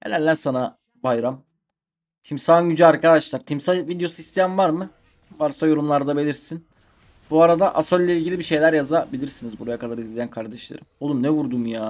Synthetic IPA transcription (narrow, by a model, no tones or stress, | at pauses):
hḛlʲæɾlʲænsana | bajɾam | t̪ʰimsaːnɟyd͡ʒyaɾkad̪aʃlˠaɾt̪ʰimsavid̪ejo̞sist̪ʰejæmvaɾmɯ | vaɾsajo̞ɾumlˠaɾd̪abe̞lʲiɾsin | buaɾad̪aʔasolʲːeilʲɟilʲibiʃe̞jlʲæɾjazabilʲiɾsinizbuɾajakʰalˠaɾɯizlʲejænkʰaɾd̪ɛʃlˠa̰ɾɯmo̞lˠumnɛvuɾd̪umjaː